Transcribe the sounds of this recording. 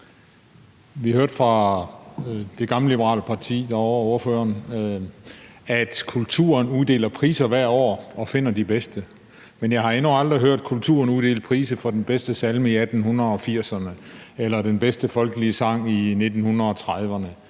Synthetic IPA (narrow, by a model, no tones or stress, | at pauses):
ʋihhøɐ̰d̥fʁɑ̈ | d̥e̝ɡ̥ɑ̈mləlib̥əʁɑ̰̈ːləpʰɑ̈t͡sʰḭːd̥ɑɒo̝ɐføːɐn | æd̥kʰult͡sʰṵɐnuðˠd̥e̝̰ːlɐpʰʁḭːsɐʋæɐ̰dɒ̰ːɒ̽fe̝n̰ɐd̥ib̥esd̥ə | menjɑ̈ɪhɑ̈e̝nuɑ̈ld̥ʁiɦøɐ̰d̥̚kʰult͡sʰṵːɐnuðˠd̥e̝̰ːld̥̚pʰʁiːsəfɒ̽d̥enb̥esd̥əsælməiæd̥n̩hunʁɐɒ̽fiɐ̰sɐnəelɐd̥enb̥esd̥əfɒ̽lɡ̥əliəsɑ̈ŋ̰ine̝d̥n̩hunʁɐɒ̽t͡sʰʁaðˠʋɐnə